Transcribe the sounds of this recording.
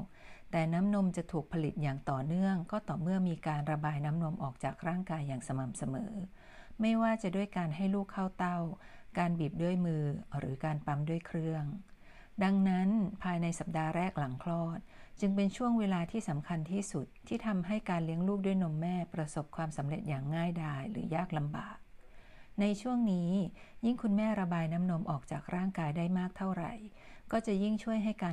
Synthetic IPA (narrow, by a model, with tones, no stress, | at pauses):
t̪ɛː˨˩na˦˥mno˧mt͡ɕa˨˩t̪ʰuː˨˩k̚pʰa˧li˨˩t̪̚jaː˨˩ŋt̪ɔː˨˩nɯ˥˩əŋkɔː˥˩t̪ɔː˨˩mɯ˥˩əmiː˧kaː˧nɾa˧baː˧jna˦˥mno˧mʔɔː˨˩k̚t͡ɕaː˨˩k̚ɾaː˥˩ŋkaː˧jːaː˨˩ŋsa˧ma˨˩msa˧mɤː˩˦ | ma˥˩jwaː˥˩t͡ɕa˨˩duː˥˩əjkaː˧nɦa˥˩jluː˥˩kʰːa˥˩wt̪a˥˩w | kaː˧nbiː˨˩p̚du˥˩əjmɯː˧ɾɯː˩˦kaː˧npa˧mdu˥˩əjkʰɾɯ˥˩əŋ | da˧ŋna˦˥npʰaː˧jna˧jsa˨˩p̚daː˧ɾɛː˥˩k̚la˩˦ŋkʰlɔː˥˩t̪̚t͡ɕɯ˧ŋpe˧nt͡ɕʰu˥˩əŋweː˧laː˧t̪ʰiː˥˩sa˩˦mkʰa˧nt̪ʰiː˥˩su˨˩t̪ʰːiː˥˩t̪ʰa˧mɦa˥˩jkaː˧nli˦˥əŋluː˥˩k̚du˥˩jno˧mːɛː˥˩pɾa˧so˨˩p̚kʰwaː˧msa˩˦mɾe˨˩t̪̚jaː˨˩ŋːaː˥˩jdaː˧jɾɯ̰ː˩˦jaː˥˩k̚la˧mba̰ː˨˩k̚na˧jt͡ɕʰu˥˩əŋniː˦˥ji˥˩ŋkʰu˧nmɛː˥˩ɾa˧baː˧jna˦˥mno˧mʔɔ̰ː˨˩k̚t͡ɕaː˨˩k̚ɾaː˥˩ŋkaː˧jdaː˥˩jmaː˥˩k̚t̪ʰa˥˩wɾa̰˨˩j | kɔː˥˩t͡ɕa˨˩ʔji˥˩ŋt͡ɕʰu˥˩əjɦa˥˩jkaː˧